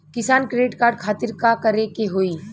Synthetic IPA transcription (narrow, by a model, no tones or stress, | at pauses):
kɪsaːnkɾeɖɪʈkaːɾɖ̚kʰaːt̪ɪɾkakɐɾekeɦoːiː